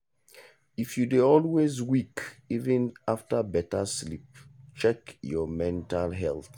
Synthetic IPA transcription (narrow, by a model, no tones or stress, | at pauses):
ifjudeɔlwezwikivĩnaftabɛtaslip̚t͡ʃɛkjɔmɛ̃ntalɦɛlθ